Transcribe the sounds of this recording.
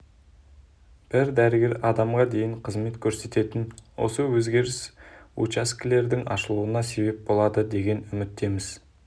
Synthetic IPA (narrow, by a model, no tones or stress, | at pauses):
b̥ɪɾd̪æɾəɡʲe̞ɾɑd̪ɑmʁɑd̪e̞jɪŋqʰəzme̞t̪kʲʰɵɾse̞t̪e̞t̪ɪnwo̞̰səwɵzɡʲe̞ɾɪsṵt͡ʃaskʲɪle̞ɾd̪ɪŋɑ̰ʃəlˠuənɑse̞be̞p̚bo̞lˠɑd̪əd̪e̞ɡʲe̞nʏmɪt̪ːe̞mɪz̥